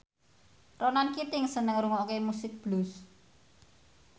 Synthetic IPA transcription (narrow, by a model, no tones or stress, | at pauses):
ronankit̪ɪŋsənəŋɾuŋɔkemusɪk̚b̥lus